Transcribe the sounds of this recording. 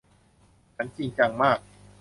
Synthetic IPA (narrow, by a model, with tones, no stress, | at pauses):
t͡ɕʰa˦˥nt͡ɕi˧ŋt͡ɕa˧ŋmaː˥˩k̚